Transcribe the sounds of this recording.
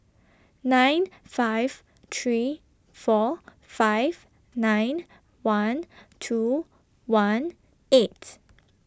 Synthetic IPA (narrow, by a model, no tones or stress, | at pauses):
nãj̃nfaɪv̥ | t̪ʰɹi | fɔ | faɪv̥ | nãjn | wãntʰu | wãn | et